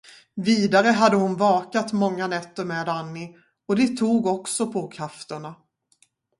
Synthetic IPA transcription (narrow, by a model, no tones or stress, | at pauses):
viːd̪aɾəɦad̪ːəhʊnvɑːkat̪mɔŋːanɛt̪ːəɾmeːd̪anːɪ | ɔd̪ɛt̪ʰuːɡɔksɔpʰɔkʰɾaft̪əɳa